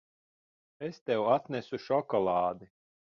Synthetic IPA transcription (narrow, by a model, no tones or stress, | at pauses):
est̪ɛwat̪nʲɛsuʃɔkɔlˠɑːd̪i